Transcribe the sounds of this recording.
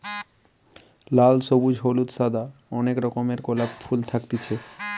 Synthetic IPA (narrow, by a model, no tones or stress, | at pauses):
lalsobud͡ʑʱɦolut̪sad̪aɔnekɾɔkomeɾkolabfʰult̪ʰakt̪it͡ɕʰe